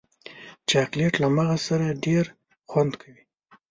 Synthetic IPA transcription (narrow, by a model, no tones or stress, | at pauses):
t͡ʃakleʈlamaɣasaɾaɖeɾ | xwand̪kʰawi